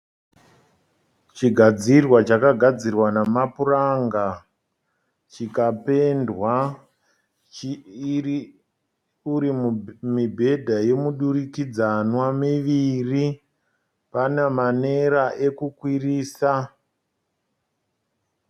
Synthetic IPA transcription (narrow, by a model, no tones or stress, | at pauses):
t͡ʃiɡʱad͡zirwat͡ʃakaɡʱad͡zirwanamapuraŋɡa | t͡ʃikape̞ndwa | uɾimibʱe̞dʱaje̞muɗurikid͡zanwamiʋiri | panemane̞ɾaʔe̞kukwiriːsa